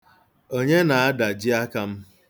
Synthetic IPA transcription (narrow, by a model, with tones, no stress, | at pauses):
o˦ɲe˦na˨a˦da˨d͡ʒɪ˦a˦ka˦m̩˦